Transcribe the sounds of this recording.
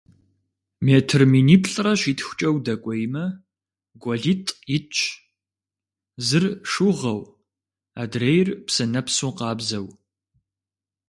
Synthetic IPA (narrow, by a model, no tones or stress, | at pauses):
meːtʰɨrminiːpʰɬʼrɐɕʷiːtxʷʊ̥t͡ʃʼɐwdɐkʷʼɔjmɐ | ɡʷɔɮitʼjɪt͡ʃʰʼ | zɨrʂʊʁɐw | adrejrpsɐnɐpsuqɑːbzɐw